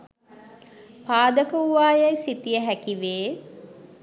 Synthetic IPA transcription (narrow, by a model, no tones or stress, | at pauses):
paːd̪əkəuʋaːjajsit̪ijəɦækiʋeː